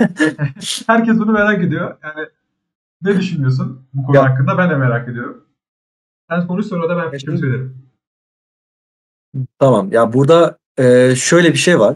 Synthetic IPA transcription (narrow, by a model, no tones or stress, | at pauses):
hæɾcɛs̬bunumeɾaːke̞d̪ijojaːnɪ | ned̪yʃynmijos̬unbukʰohakːɯnd̪abænlʲɛmeɾaːke̞d̪ijo̞ɾum | ænkʰonusoɾɾad̪abænfɛʃimisøjlʲeɾim | t̪ʰamamjabuɾd̪a | ɯːʃøjlʲɛbiʃejvaɾ̥